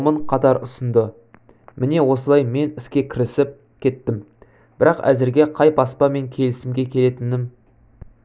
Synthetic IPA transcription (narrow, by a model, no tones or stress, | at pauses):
məɴqʰɑt̪ɑɾʊsənd̪ə | mɪne̞wo̞səlˠɑjme̞nɪskʲe̞kʲʰɪɾɪsɪp̚ | kʲʰe̞t̪ːɪm | b̥ɪɾɑqæ̰zɪɾɡʲe̞qʰɑjpɑspɑme̞ŋkʲʰe̞lɪsɪmɡʲe̞kʲʰe̞le̞t̪ɪmnɪm